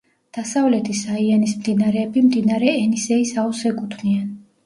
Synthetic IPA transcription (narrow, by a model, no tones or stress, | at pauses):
d̪̥asavlɛt̪ʰisaianismd̪inaɾɛːbimd̪inaɾɛːnisɛisausɛkʼut̪ʰnian